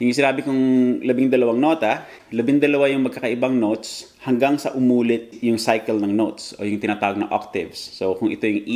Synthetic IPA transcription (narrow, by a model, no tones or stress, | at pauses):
hɪŋɲʊs̬ɪnaːbɪkʊŋlɐbɪŋd̪ɐlɐwaŋno̞ːt̪ɐ | lɐbɪŋd̪ɐlɐwajʊŋmɐɡ̚kːakɐʔɪbaŋnot̪s | hɐŋɡaŋsɐ̰ʔʊmuːlɪt̪̚jʊŋsajkɛlnɐŋnot̪sʔo̰jʊŋt̪ɪnaːt̪aːwoɡnɐ̰ŋʔa̰k̚t̪ɪvsːokʊŋʔɪt̪o̞jʊŋʔ